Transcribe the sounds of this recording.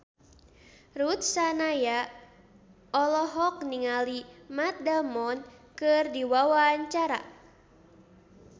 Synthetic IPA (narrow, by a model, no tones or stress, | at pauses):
rut̪̚sanaja | ɔlɔɦɔk̚niŋalimat̪̚damɔnkɨrdiwawaɲt͡ʃaɾa̰